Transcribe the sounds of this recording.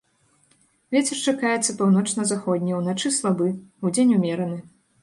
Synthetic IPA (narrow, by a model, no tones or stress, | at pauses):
vʲet͡sʲɛrt͡ʂakajɛt̪sːɐpawnɔt͡ʂnɐzaxɔd̪ʲnʲiwnat͡ʂɨslˠabɨud͡zʲenʲumʲɛɾɐnɨ